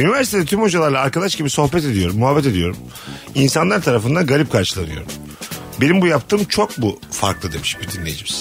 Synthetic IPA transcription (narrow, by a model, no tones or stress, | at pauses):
ynivæɾsit̪ʰed̪ɛt̪ʰymho̞d͡ʒalˠaɾlˠaːɾkad̪aʃɟibiso̞xbɛt̪e̞d̪ijo̞ɾumːuɦabːɛt̪e̞d̪ijo̞ɾum | insanlˠaɾt̪ʰaɾafɯnd̪anɡalʲip̚kʰaɾʃɯlˠanɯjo̞̰ɾum | benimbujap̚t̪ʰɯːmt͡ʃʰo̞k̚bufaɾklˠɯd̪e̞miʃbid̪inlʲe̞jid͡ʒimiz̥